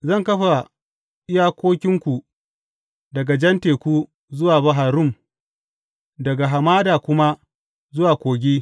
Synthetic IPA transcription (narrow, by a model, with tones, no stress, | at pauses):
zɐ˦˨ŋkɐ˦ɸa˨ | ɪ˦jaː˦kʷoː˦kʲɪ˦ŋkʷu˨ | dɐ˨ɡa˨d͡ʒɐ˦nteː˨kʷuː˦ | zʊ˦waː˨bɐ˨ɦaː˨ɾʊ˦˨m | dɐ˨ɡa˨ɦa˨maː˦daː˨kʷʊ˦ma˦ | zʊ˦waː˨kʷoː˨ɡʲeː˦